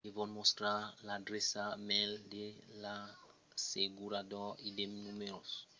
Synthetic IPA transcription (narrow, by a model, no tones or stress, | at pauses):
kevɔ̃nmost̪ɾalad̪ɾesamɛld̪ela | seɡuɾad̪ɔid̪emnumeɾos